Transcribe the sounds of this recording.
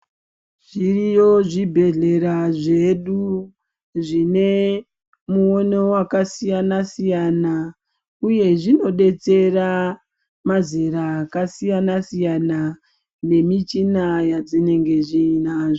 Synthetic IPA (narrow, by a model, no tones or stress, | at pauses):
ʐ̥irijo̞ʐibʱe̞ɮe̞ɾaʐe̞ɗu | ʐine̞ | muone̞wakasijanasijana | uje̞ʐino̞ɗe̞t͡se̞ra | mazeɾaːkasijanasijana | ne̞mit͡ʃinajad͡zine̞ŋɡe̞ʐiːnaʐo